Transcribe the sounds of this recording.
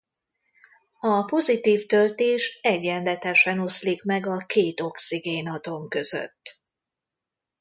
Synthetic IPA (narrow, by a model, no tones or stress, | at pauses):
ɒpo̞zit̪iːft̪ølt̪eːʃɛɟːɛnd̪ɛt̪ɛʃɛno̞slikmɛɡɒkeːt̪o̞ksiɡeːnɒt̪o̞mkø̞zø̰t̪ː